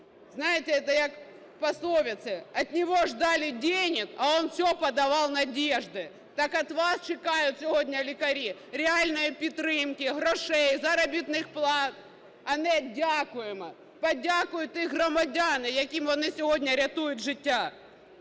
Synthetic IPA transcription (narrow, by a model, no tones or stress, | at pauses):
znajɪtʲɪɛt̪ɐjak | pɐslˠoʋʲɪt̪sɨɐt̪ʲnʲɪʋoʐd̪alʲɪdʲenʲɪkɐonfsʲopɐd̪ɐʋɑlˠnɐdʲeʐd̪ɪ | t̪akɐt̪ʋast͡ɕɪkajʊt̪sʲɪɦodʲnʲɐlʲɪkɐɾʲiɾʲɪalʲnɨjɐpʲɪt̪ɾɪmkʲɪɦɾɔʂɛjzɐɾɐbʲit̪nɨxplˠɑt̪̚ | ɐnɛdʲakʊjɪmɐ | pɐdʲakʊjʊt̪ɪɣrɐmɐdʲanɨjɐkʲimɐnɪsʲɪɦodʲnʲɐɾʲɐt̪ujʊt̪ʐɪtʲːa